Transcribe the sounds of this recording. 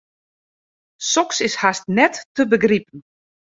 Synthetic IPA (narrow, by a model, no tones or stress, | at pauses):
sɔksɪshastnɛtːəbəɡripən̩